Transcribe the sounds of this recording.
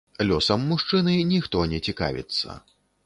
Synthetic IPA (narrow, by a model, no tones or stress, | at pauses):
lʲɔsɐmːuʂt͡ʂɨnɨnʲixt̪ɔnʲɛt͡sʲika̰vʲḭt̪sːɐ̰